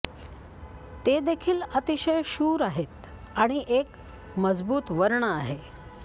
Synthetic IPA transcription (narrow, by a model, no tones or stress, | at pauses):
t̪ed̪ekʰiːlət̪iɕəjɕuːɾaɦet̪ | aɽ̃iʔek | məd͡zbuːt̪ʋəɾɳəaɦe